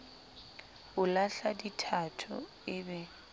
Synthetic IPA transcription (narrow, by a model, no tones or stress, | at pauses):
ʊlaɬaditʰatʰʊ̰ | ɪbɛ